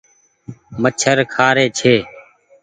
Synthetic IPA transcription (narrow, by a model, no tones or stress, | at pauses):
mət͡ʃʰəɾkʰaːɾeːt͡ʃʰeː